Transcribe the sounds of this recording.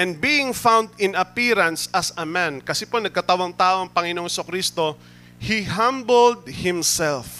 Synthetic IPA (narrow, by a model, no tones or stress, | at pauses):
ʔɛ̃nd̪̚biɪŋfãwnd̪ɪ̃nɐpiɾɐnsɐsɐmãnkɐsɛponɐɡ̚kɐt̪awɐŋt̪aːʔoɐŋpɐŋɪnoŋsɐkɾist̪o̞ | hiɦãmbold̪̚hɪ̃msɛlf